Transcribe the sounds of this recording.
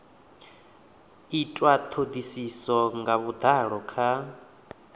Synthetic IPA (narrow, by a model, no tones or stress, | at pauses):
itʼwat̪ʰod̪isisɔŋɡaβud̪aɺɔkʰa